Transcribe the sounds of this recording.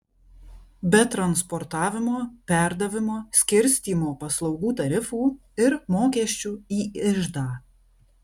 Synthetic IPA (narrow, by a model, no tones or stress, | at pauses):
bʲɛt̪ɾɐnspɔɾt̪ɑːʋʲɪmoːpʲɛɾd̪ɐʋʲɪmoːsʲkʲɪɾʲsʲt̪ʲiːmoːpɐslˠɒʊɡuːt̪ɐɾʲɪfuː | ɪɾmoːkʲɛʃʲt͡ʃʲuːiːɪʒd̪ɑː